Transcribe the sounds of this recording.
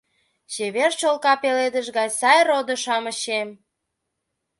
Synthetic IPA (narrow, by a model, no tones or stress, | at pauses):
t͡ɕeβert͡ɕolkɑpeled̪əʒɡɑjsɑjrod̪ə̆ʃɑmə̆ɕem